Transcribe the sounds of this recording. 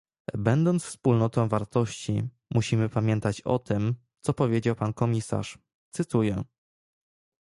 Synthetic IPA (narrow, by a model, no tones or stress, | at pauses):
bɛnd̪ɔnt̪sfspulnɔt̪ɔ̃w̃vaɾt̪ɔɕt͡ɕḭ | muɕimɘpamʲjɛnt̪at͡ɕɔ̰t̪ɘm | t̪sɔpɔvʲjed͡ʑawpankɔmʲisa̰ʂ | t̪sɘt̪ujɛ